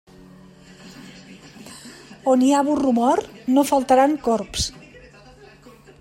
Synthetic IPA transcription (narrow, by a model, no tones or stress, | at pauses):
oniaβurumɔɾnofalˠt̪aɾaŋkɔɾps